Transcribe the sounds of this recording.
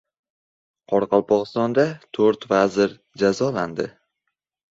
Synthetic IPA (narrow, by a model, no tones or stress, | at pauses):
qʰɒɾqʰɑlˠpʰɒʁɨst̪ɒnd̪at̪ʰoɾt̪vazɪɾ | d͡ʒazɒland̪ɪ